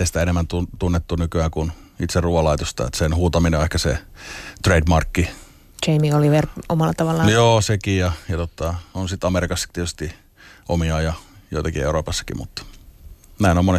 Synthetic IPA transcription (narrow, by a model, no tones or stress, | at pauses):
est̪æenemːænt̪unt̪unːet̪ːunykyæːkunit̪serruːʋɑlɑit̪ost̪ɑ̰ḛt̪senhuːt̪ɑmineoehkæsḛt̪reidmɑrkːi | t͡ʃeimiɡoliʋeromɑlːˑɑt̪ɑʋɑlːɑnjoːsekijɑjɑt̪ot̪ːɑonsit̪ɑmerikɑsːɑ̥kt̪iet̪yst̪i | ʔomiɑːjɑjo̰it̪ɑkiḛuroːpɑsːɑ̥kḭmṵt̪ː | næinomone